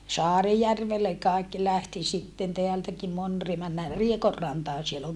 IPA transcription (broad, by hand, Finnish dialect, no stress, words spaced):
sɑːrijærʋelːe kɑˑi̯kːi læhti sitːen teæltæki mon ri mænːæː riekorːɑntɑːn siel oŋ